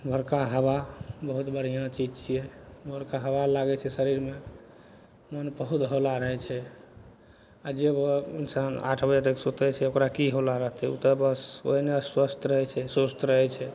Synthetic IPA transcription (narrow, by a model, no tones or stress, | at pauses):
bʱəɽkaɦəbabəɦut̪bəɽ̤ijãt͡ʃid͡ʒt͡ʃʰiɛbʱəɾkaɦəbalaɡɛt͡ʃʰɛsəɾiɾme | mənbəɦut̪ɦolaɾəɦɛt͡ʃʰɛ | ad͡ʒebinsana̰ʈʰbəd͡ʒat̪eksot̪ɛt͡ʃʰɛokɾakiɦolaɾəɦt̪ɛṵt̪əbəso̰ɦineswəst̪ɾəɦɛt͡ʃʰɛsost̪ɾəɦɛt͡ʃʰɛ